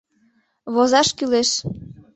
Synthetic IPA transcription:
βozɑʃkyleʃ

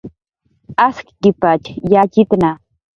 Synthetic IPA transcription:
askkɪpat͡ʃjat͡ʃɪt̪na

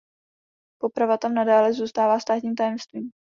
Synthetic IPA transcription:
po̞pɾavat̪amnadaːlɛzuːst̪aːvaːst̪aːt̪ɲiːmt̪ajɛmst̪viːm

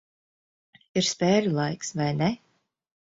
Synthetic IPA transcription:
iɾspeːlʲulˠajksvajnɛ

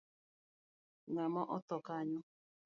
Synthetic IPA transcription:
ŋamɔʔɔtɔkaɲʊ

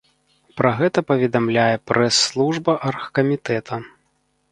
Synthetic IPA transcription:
pɾɐɣɛt̪ɐpɐvʲɛd̪amlʲajɛpɾɛsːlˠuʐbɐʔɐrxkɐmʲit̪ɛt̪ʰɐ

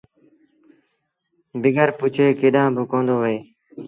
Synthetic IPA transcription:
bɪɡəɾpʊt͡ʃʰeːkeɗãːbʱʊkõːnd̪oːɦəeː

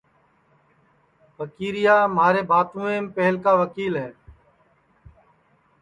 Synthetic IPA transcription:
ʋəkiːɾɪjaːmaːɾeːbaːt̪ũːẽːmpɛɦəlkaːʋəkiːlɦɛː

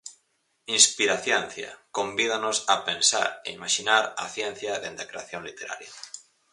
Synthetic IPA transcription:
inspiɾaθjɛn̟θja̰kõmbið̞anosapensa̰ɾḛimaʃinaɾa̰θjɛn̟θjaðend̪akɾeaθjoŋlit̪eɾa̰ɾja

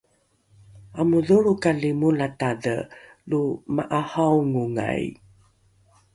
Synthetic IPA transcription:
amuðuɭukalimulatadə | lumaʔahawŋuŋa̰j

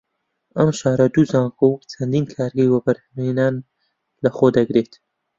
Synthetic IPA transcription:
ɐmʃaːɾɐd̪uzaːŋkowt͡sʰɐnd̪inkʰaːɾɡɐjwɐbɐɾhɐmenaːn | lɐχoːd̪ɐɡɾeːt̪

